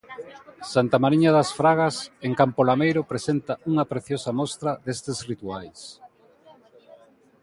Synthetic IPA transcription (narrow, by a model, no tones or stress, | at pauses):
sant̪amaɾiɲɐðɐsfɾaɣɐseŋkampolamejɾʊpɾesent̪ɐuŋɐpɾeθjosɐmɔst̪ɾɐðest̪ɪzrit̪uajs